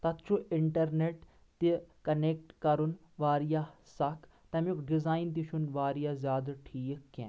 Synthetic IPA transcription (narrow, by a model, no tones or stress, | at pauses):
t̪ɐt̪t͡ʃʰuɪɳʈɐɾneʈ | t̪ikɐneːk̚ʈkɐɾun | ʋaːɾijasɐkʰ | t̪ɐmukɖizaːint̪̬iʃʰunʋaːɾijazjaːd̪ɐɾʈʰiːkːɛ̰̃ː